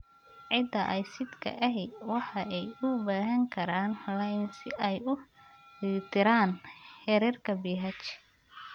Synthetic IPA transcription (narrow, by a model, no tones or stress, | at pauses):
ʕɪd̪ɐʔɐjsɪd̪kʰɐ̰ʔɐɦɛwɑħɑʔɛjʊbaːɦɐŋkʰɐɾaːnlɐjnsɪɛjʊ | it̪ʰɪɾaːnhɛɾɛrkʰɐbiːɦɐt͡ʃ